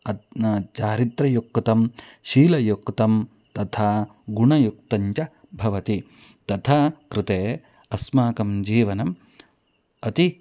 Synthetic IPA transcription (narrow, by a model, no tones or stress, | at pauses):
ɐt͡ʃaːɾit̪ɾɐjukt̪ɐmʃiːlɐjukt̪ɐm | t̪ɐt̪ʰaːɡuɳɐjuk̚t̪ɐɲt͡ʃɐ | bʱɐʋɐt̪i | t̪ɐt̪ʰaːkɾɪt̪eː | ɐsmaːkɐmd͡ʒiːʋɐnɐm | ɐt̪i